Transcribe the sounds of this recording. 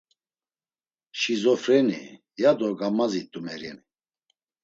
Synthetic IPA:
ʃizɔfɾɛnḭ | jad̪ɔɡamazit̪ʼumɛɾjɛ̰ni

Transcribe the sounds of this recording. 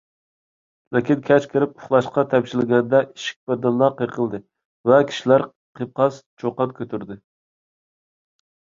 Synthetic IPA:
lɪkʲinkʲʰɛt͡ʃkʲʰɪɾɪp̚uʊχlˠɑʃqɑt̪ʰɛpʃilɪɡʲɛnɪd̪ɛʔiʃi̥k̚ʲbɛd̪ɨnlˠɑqʰəqʰəlˠd̪ɨ | vɛkʲʰi̥ʃilæɾ | qʰəp̚qʰɑst͡ʃʰoqɑnkʲʰøt̪ʰyɾd̪ɪ

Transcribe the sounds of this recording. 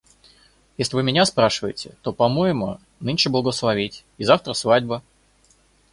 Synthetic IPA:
jesʲlʲɪvɨmʲɪnʲaspɾaʂɨvəjɪtʲɪ̰t̪o̞pɐmo̞jɪmʊ̰ | nɨnʲʂɨblˠəɡəslˠɐvʲitʲ | izaft̪ɾəsvadʲbə

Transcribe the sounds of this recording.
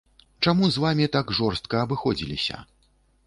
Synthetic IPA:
t͡ʂamuzvamʲit̪aɡʐɔrst̪kɐːbɨxɔd͡zʲilʲḭsʲɐ̰

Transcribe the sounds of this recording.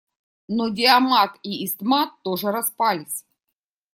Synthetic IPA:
nodʲɪɐmat̪iːst̪mat̪ːoʐɨɾɐspalʲɪsʲ

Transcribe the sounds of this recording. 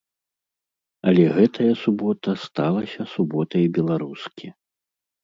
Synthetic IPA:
ɐlʲɛɣɛt̪ʰɐjɐsubɔt̪ɐst̪alˠɐsʲɐsubɔt̪ɐjbʲɛlˠaɾuskʲʰi

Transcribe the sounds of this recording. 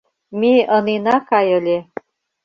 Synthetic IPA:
miəninakajɤle

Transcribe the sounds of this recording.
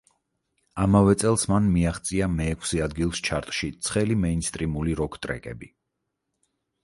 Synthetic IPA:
amavɛt̪sʼɛlˠsmanmiaχt̪sʼiamɛːkʰsiad̪ɡilˠst͡ʃʰaɾt̪ʼʃit̪sʰχɛlimɛinst̪ʼɾimuliɾɔkʰt̪ʼɾɛ̰kʼɛ̰bi

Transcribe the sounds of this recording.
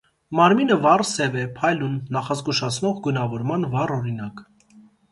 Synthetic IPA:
mɑɾminəvɑrsɛvɛpʰɑjlunːɑχɑzɡuʃɑt͡sʰnɔʁɡunɑvɔɾmɑnvɑrɔɾinɑk

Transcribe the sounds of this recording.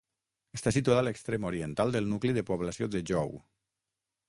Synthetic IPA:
əst̪asit̪uaðaləkst̪ɾemoɾiənt̪alˠd̪əlˠnukliðəpoβ̞lasioðəʒɔw

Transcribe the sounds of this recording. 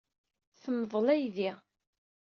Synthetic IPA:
θəmːðˤəlæjði

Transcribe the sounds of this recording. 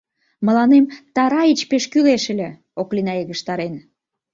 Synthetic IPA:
mə̆lɑnemt̪ɑɾɑit͡ɕpeʃkyleʃə̆lʲe | oklinɑeɣəʃt̪ɑɾen

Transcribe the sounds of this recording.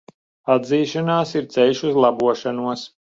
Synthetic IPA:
ad̪ziːʃanaːsiɾt̪sɛjʃuzlˠabuɔʃanuɔs

